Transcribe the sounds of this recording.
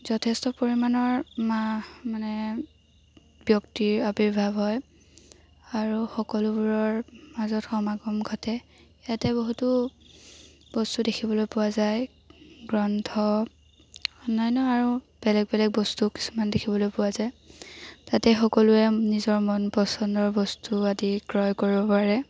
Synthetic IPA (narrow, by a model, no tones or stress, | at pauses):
zɔtʰɛstɔpoɹimanɔɹmamanɛ | bjɔktiɹabiɹbʱabɦɔj | aɹuxɔkɔlubuɹɔɹmazɔtxɔmaɡɔmɡʱɔtɛ | atɛboɦutʊ | b̥ɔstudekʰibɔlojpʊwazaj | ɡɹɔntʰɔ | ɔnajnɔaɹu | b̥ɛlɛɡ̚bɛlɛɡ̚bɔstuki̥su̥mandekʰibɔlojpʊwazaj | tatɛxɔkɔlʊɛnizɔɹmɔnpɔsɔndɔɹbɔstuadikɹɔjkoɹibɔpaɹɛ